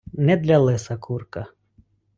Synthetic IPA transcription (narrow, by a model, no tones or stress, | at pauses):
nɛd̪lʲɐlˠɪsɐkʰurkɐ